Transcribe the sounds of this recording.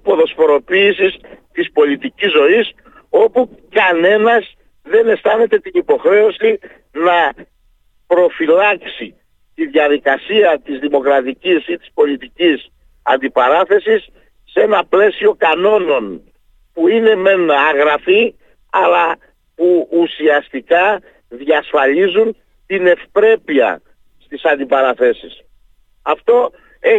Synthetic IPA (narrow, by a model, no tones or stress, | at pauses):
po̞ðo̞sfo̞ɾo̞piːsist̪ispo̞lit̪icizːo̞is | o̞pukɐne̞nɐz | ðe̞ne̞st̪ɐne̞t̪e̞t̪inipo̞xɾe̞o̞si | nɐ | pɾo̞filɐksi | t̪iðjɐðikɐsiɐt̪izðimo̞kɾɐt̪icisit̪i̥spo̞lit̪icis | ɐnd̪ipɐɾɐθe̞sisː | e̞nɐple̞sio̞kɐno̞no̞n | puine̞me̞nɐːɣɾɐfi | ɐlɐ | puusiɐst̪ikɐ | ðʝɐsfɐʎizun | t̪ine̞fpɾe̞piɐ̰ | st̪isɐnd̪ipɐɾɐθe̞sis | ɐft̪o̞ | e